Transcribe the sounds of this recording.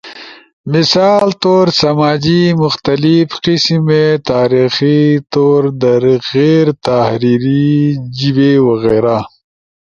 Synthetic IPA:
misaːlt̪oːɾsɐmaːd͡ʒimʊxt̪ɐlifqismet̪aːɾixit̪oːɾd̪ɐɾɣeːɾt̪ahɾiɾid͡ʒibewɐɣeːɾa

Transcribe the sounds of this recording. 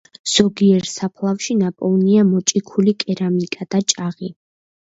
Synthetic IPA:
z̥ɔɡiɛɾsapʰlˠafʃinapʼɔlˠniamɔt͡ʃʼikʰulikʼɛɾamikʼad̪̥at͡ʃʼaʁi

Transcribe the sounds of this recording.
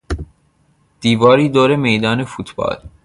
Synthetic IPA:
d̪̥iːvɒːɾiːd̪oːɾemejd̪ɒːne̞fuːt̪ʰb̥ɒ̰ːl

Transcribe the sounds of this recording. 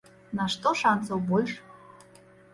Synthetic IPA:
naʂt̪oʂansowbolʲʂ

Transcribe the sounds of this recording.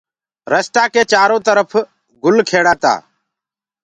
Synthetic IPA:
ɾəst̪aːkeːt͡ʃaːɾõːt̪əɾəpʰ | ɡʊlkʰeːɽaːt̪a̰ː

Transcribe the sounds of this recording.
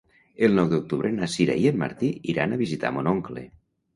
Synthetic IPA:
elˠnɔwðuk̚t̪uβɾenasiɾa̰ienma̰ɾt̪iiɾanaβizit̪a̰monoŋklḛ

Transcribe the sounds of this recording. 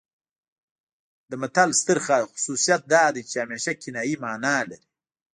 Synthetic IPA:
d̪əmat̪alst̪əɾxaxʊ̥susijat̪̚d̪ɑːd̪ajt͡ʃeameːʃakinɑːjimɑːnaːlaɾi̥

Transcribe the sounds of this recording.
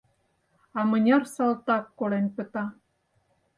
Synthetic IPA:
ɑmə̆nʲɑrsɑlt̪ɑkːolenpə̆t̪ɑ

